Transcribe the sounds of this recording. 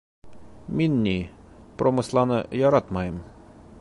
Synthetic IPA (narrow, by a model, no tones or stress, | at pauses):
mʲinʲːipɾomɨslˠɑnɨjɑɾat̪majim